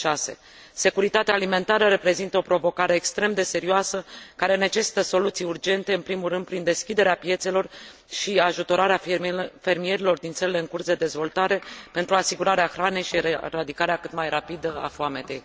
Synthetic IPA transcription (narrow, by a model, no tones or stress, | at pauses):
ʃase̞̰ | se̞kuɾit̪at̪eaːlime̞nt̪aɾəɾe̞pɾe̞zint̪əo̞pɾo̞vo̞kaɾe̞ːkst̪ɾe̞md̪e̞se̞ɾioasəkaɾe̞ne̞t͡ʃe̞si̥t̪əso̞lut̪sijurd͡ʒe̞nt̪e̞ɨnpɾimulɾɨnd̪̚pɾind̪e̞skʲid̪e̞ɾeapje̞t̪se̞lo̞r | ʃiaʒut̪o̞ɾaɾeafe̞rmije̞ɾilo̞rd̪int̪səɾile̞ɨŋkursd̪e̞d̪e̞zvo̞lt̪aɾe̞pe̞nt̪ɾuasiɡuɾaɾeaxɾane̞jʃieɾad̪ikaɾeakɨt̪majrapid̪əa̰foame̞t̪e̞j